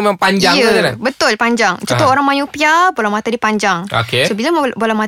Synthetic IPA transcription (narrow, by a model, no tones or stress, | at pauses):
memampaɲd͡ʒaŋut̪alabət̪ʊlpaɲd͡ʒaŋt͡ʃɔt̪ɔoɾaŋmãjupiabolamat̪adipaɲd͡ʒaŋo̰kesobilambolahma